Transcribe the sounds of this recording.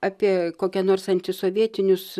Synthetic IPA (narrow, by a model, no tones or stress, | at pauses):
ɑːpʲiɛkoːkʲɛnoːrsɐnʲt̪ʲɪsoːʋʲiɛt̪ʲɪnʲʊs